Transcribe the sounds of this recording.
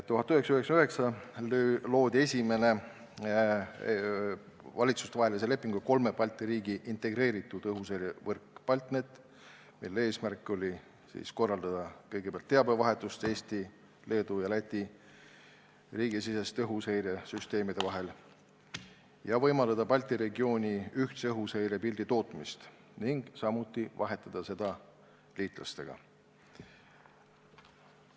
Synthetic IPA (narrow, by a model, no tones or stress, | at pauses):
t̪ːuhɦɑt̪ːˑyɦeksɑyɦeksmyɦe̞ksɑllo̞ːd̪̥ʲe̞sʲime̞ne̞ | vɑlʲit̪su̥st̪vɑɦelisele̞pːˑiŋɡ̥uko̞lmepɑlʲt̪ːeɾiːɡiʔint̪e̞ɡ̥ɾe̞ːɾit̪ːˑud̪̥ɤɦusejɾevɤrkːpɑlʲt̪net̪ːˑ | milːee̞ːsmærkːˑo̞lʲi | sḭːsko̞rːɑld̪̥ɑd̪̥ɑkɤjɡ̥eb̥eɑlt̪ːe̞ɑbe̞vɑɦe̞t̪ːˑust̪e̞ːsʲt̪i | le̞ːd̪ujɑlæt̪ʲˑːi | riːɡ̥isise̞st̪ɤɦushejɾe̞syst̪e̞ːmid̪̥e̞vɑɦe̞l | jɑvɤjmɑld̪ɑd̪ɑpɑlʲt̪ˑiɾe̞ɡio̞ːnʲiyht̪seɤɦushejɾe̞pild̪̥it̪o̞ːt̪mist̪ | niŋɡ̥sɑmut̪ːˑivɑɦe̞t̪ːˑɑd̪̥ɑse̞d̪̥ɑ | liːt̪ˑlɑ̰st̪e̞ɡ̥ɑ̰